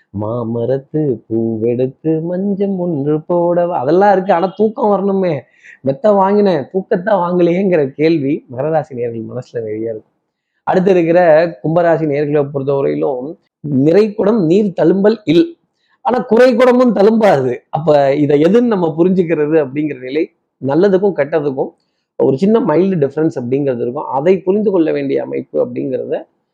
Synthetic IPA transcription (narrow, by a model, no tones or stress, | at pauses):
maːmɐɾɐt̪ːɯpuːʋɛɽɯt̪ːɯmɐɲd͡ʒɐmʊnrɯpːoɽɐʋɐ̰ðɛlːãːɪɾɯk̬ːɯaːnaːt̪uːkːɐ̃ʋɐɾɐnɯmeː | mɛt̪ːaːʋaːŋɡɪnɐ̃t̪uːkːɐt̪ːãːʋaːŋɡɪlɪjeːɪŋɡɪɾɐkeːɭʋimɐɣɐɾɐɾaːsineːɐɾɣɐɭmɐnɐsɪlɐʋɛɻɪjaːɪɾɯkːʊ̥̃ | ɐɽɯt̪̬ːɪɾɯk̬ːɪɾɐkʊmbɐɾaːsineːɐɾɣɐɭop̬ːɔɾɯnɐʊɾɐ̰jɪlʊ̃ | nɪɾɐɪkːʊɽɐmniːɾt̪ɐɻɯmbɐlɪlː | aːnaːkʊɾɐɪkːʊɽɐmɯnt̪ɐɻɯmbaːɾɯðɯɐp̬ːɐːɪðɐɛðɯnnɐmːɐp̬ʊɾɪɲd͡ʒɯk̬ːɪɾɐðɯɐp̬ːɐɽɪŋɡɪɾɐnɪlɐɪ | nɐlːɐðɯkːʊ̃kɐʈːɐðɯk̬ːʊ̃ | ɐ̰ɔɾɯt͡ʃɪnːɐmɐɪlɖɖɪfɐɾɐnsɐp̬ːɐɽɪŋɡɪɾɐðɯɾɯkːʊ̰̃ʔɐðɐɪpʊɾɪnd̪ɯkɔɭːɐʋeːɳɖɪjɐ̰ɐ̰mɐ̰ɪpːɯɐp̬ːɐɽɪŋɡɪɾɐ̰ðɯ